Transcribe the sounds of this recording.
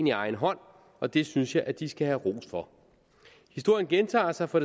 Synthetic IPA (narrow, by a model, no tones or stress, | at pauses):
niɑ̈ɪn̩ɦɒ̽n̰ | ɒ̽d̥e̝synsjɑ̈ɪʔæd̥isɡ̥æhæʁo̝̰ːsfɒ̽ | his̬d̥o̝ɐ̰jənɡ̥ent͡sʰɑ̰̈ːsɑ̈ɪfɒ̽ɾe